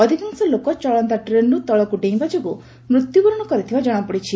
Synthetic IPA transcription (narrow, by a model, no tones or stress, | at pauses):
ɔd̪ʱikaŋsɔlokɔt͡ʃɔɭɔnt̪aʈɾenut̪ɔɭɔkuɖẽj̃bad͡ʒɔku | mɾut̪jubɔɾɔɽ̃ɔkɔɾit̪ʰibad͡ʒɔɽ̃ɔpɔɽit͡ʃʰi